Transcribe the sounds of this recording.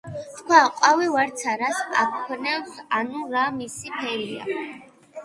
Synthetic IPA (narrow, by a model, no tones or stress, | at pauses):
t̪ʰkʰwaqʼwavivaɾt̪sʰaɾaspʼakʰkʰnɛwsanuɾamisipʰɛɾia̰